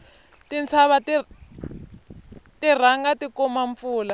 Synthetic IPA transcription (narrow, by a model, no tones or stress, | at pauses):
tint͡sʰaβati | tir̤aŋɡatikɔmaɱp̪fuːla